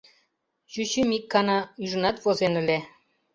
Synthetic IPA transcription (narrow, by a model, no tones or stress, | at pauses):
ʑyɕymikːɑnɑyʒə̆nɑt̪vozenɘ̆le